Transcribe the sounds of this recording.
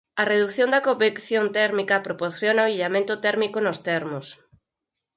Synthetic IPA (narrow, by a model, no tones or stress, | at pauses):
ɐreðukθjõnd̪ɐkoβekθjont̪ɛɾmikɐpɾopoɾθjonɐoiʎamẽnt̪ʊt̪ɛɾmikonʊst̪ɛɾmʊs